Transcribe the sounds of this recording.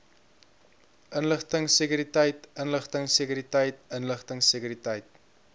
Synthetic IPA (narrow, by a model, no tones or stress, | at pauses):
ʔənləχtəŋsekyɾitəjtənləχtəŋsekyɾitəjt̚ənləχtəŋsekyɾitəjt̚